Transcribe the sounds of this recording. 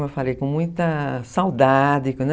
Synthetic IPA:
mewfalejkõmũj̃t̪ɐsawd̪ad̪ɪkɐ̃d̪

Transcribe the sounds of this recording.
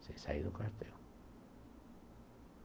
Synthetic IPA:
sesa̰iðokast̪eo

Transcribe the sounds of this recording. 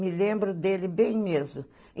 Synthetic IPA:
mɪlẽmbɾʊd̪elɪbẽj̃mezmʊ̃

